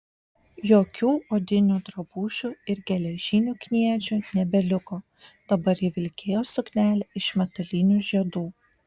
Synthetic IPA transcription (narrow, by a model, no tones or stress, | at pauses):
joːkʲuːoːd̪ʲɪnʲuːd̪ɾɐbuːʃʲuːɪɾɡʲɛlʲɛʒʲɪnʲuːkʲnʲiɛt͡ʃʲunʲɛbʲɛlʲɪkoː | d̪̥ɐbɐɾjɪʋʲɪlʲkʲeːjoːsʊknʲæːlʲɛɪʃmʲɛt̪ɐlʲɪnʲuːʒʲiɛd̪uː